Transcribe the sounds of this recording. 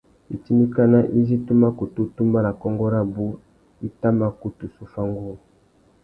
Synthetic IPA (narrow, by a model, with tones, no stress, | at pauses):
i˨ti˦ni˦ka˦na˦ʔi˦zi˦tu˦ma˦ku˨tu˦tu˦mba˦na˨kɔ˦ŋɡɔ˦ɾa˦bu˦ | i˦ta˦ma˦ku˦tu˨su˦fa˦ŋɡu˦˨